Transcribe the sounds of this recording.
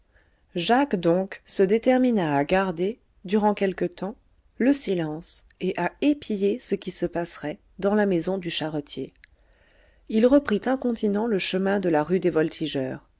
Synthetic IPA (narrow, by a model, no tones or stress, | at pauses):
ʒakd̪ɔ̃ksəd̪et̪ɛʁminaːɡaʁd̪e | d̪yʁɑ̃kʲɛlkət̪ɑ̃ | ləsilɑ̃s | eʔaepʰijesəkʲisəpasʁɛ | d̪ɑ̃lamezɔ̃d̪yʃaʁɔt̪ʰje | ilʁəpχit̪ɛ̃kɔ̃t̪inɑ̃ləʃəmɛ̃d̪əlaʁyd̪evɔlt̪ʰiʒœːʁ